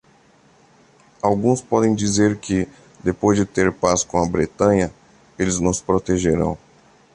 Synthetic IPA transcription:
awɡũspɔd̪ẽj̃d͡ʒizeɾkɪ | d̪epojzd͡ʒɪt̪eɾpaskõɐbɾet̪ɐ̃ɲɐ | elɪznʊ̃spɾot̪eʒeɾɐ̰̃w̃

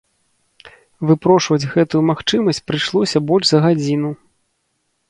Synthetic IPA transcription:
vɨpɾɔʂvɐd͡zʲɣɛt̪ujumaxt͡ʂɨmɐsʲt͡sʲpɾɨʂlˠɔsʲɐbɔlʲʐzɐɣad͡zʲin̪u

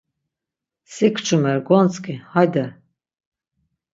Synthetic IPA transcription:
sikʰt͡ʃʰumɛɾɡɔnt͡sʰʼkʼihajd̪ɛ

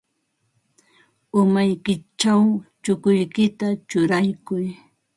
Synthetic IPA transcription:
ʊmajkɪt͡ʃawt͡ʃʊkʊjkɪt̪at͡ʃʊɾajkʊj

